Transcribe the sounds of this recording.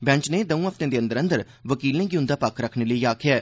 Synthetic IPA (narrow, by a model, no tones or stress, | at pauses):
bɛ̃ɲt͡ʃneːd̪əũːəpt̪ẽːd̪eːə̃nd̪əɾənd̪əɾ | ʋəkiːlẽːɡiːʊ̃nd̪aːpəkːɾəkʰɳeːləiːaːkʰɪjaː